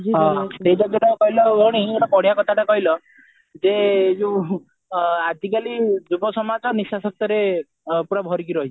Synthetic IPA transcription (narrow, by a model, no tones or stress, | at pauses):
d͡ʒiɔsed͡ʒɔɡɔʈɔkɔɦilɔbɔɽ̃ieʈɔpɔɽijakɔt̪ʰaʈakɔɦilɔ | d͡ʒed͡ʒu | ad̪ikalid͡ʒubɔsɔmad͡ʒɔnisasɔk̚t̪ɔɾe | puɽabʱɔɾikiɾɔɦit͡ʃʰi̥